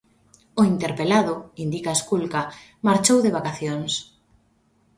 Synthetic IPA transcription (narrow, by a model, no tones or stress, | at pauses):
oint̪eɾpelaðʊind̪ikaskulka | maɾt͡ʃowðeβ̞akaθjoŋs